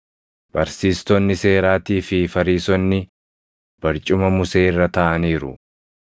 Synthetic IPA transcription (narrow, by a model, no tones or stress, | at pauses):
b̥ɐɾsiːst̪ɔnːɪse̞ːɾaːt̪iːfɪfɐɾiːsɔnːɪ | b̥ɐɾt͡ʃʼʊmɐmʊse̞ːɪrːɐt̪ɐʔɐniːɾʊ̰